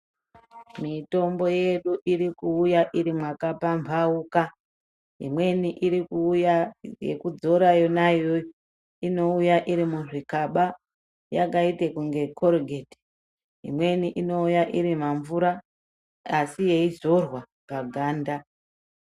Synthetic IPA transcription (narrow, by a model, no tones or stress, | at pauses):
mito̞mbo̞je̞ɗuʔiɾikuujaʔiɾimwakapaɱvʱauka | ɦḭmwe̞niʔiɾikujajḛkud͡zo̞ɾajo̞najo | ino̞ujaʔiɾimuʐikaɓa | jakaite̞kuŋɡe̞kʰoɾɡʱedi̥ | ɦḭmwe̞niʔino̞ujaʔiɾimaɱvuɾaː | sije̞izo̞rwa | paɡʱaːnda